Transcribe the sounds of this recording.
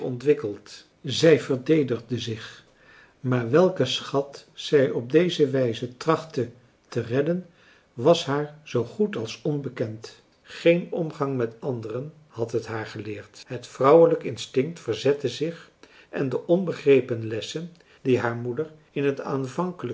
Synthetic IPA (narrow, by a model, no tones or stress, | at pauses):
ɔ̰ntʋɪkəlˠt | zɛjvəɹdejdəχdəzɪχ | maːɹʋɛlˠkəsχɑtsɛjɔb̚dejzəʋɛjzətrɑχtə | tərɛdən | ʋɑsɦaːɹz̥owχutɑlˠsɔnbəkɛnt | χejnɔmχɑŋmɛtɑndərən | hɑtɦətɦaːɹχəlɪːɹtɦətfrʌwələkɪnstɪŋktfəɹzɛtəzɪχ | ʔɛ̰ndəʔɔnbəχrejpənlɛsən | diɦaːɹmudəɹ | ɪnɦəta̰ːnvɑŋkələ